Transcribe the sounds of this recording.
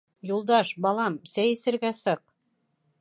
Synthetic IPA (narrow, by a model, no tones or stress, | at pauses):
julˠd̪ɑʃbɑlˠɑmsæjɘ̆sɘ̆ɾɡæsɤq̚